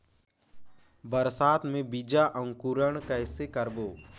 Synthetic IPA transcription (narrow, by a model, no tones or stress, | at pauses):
bəɾsaːt̪mẽbid͡ʒaʔə̃ŋkuɾəɽkɛːɪsekəɾboː